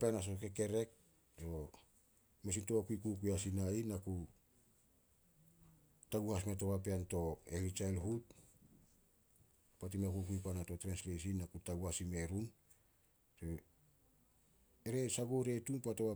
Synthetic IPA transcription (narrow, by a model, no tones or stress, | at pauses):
peanas̬okeke̞ɾe̞k̚ | o | mes̬intoakuikukujasinainaku | taɡuhasmeto̞βapeanto̞eɾit͡ʃajlɦut | pat̬imakuk̬ujpanato̞tɾenslesinːakutaɡuhasime̞ɾun | se | eɾe̞saɡuɾe̞tunpatoβa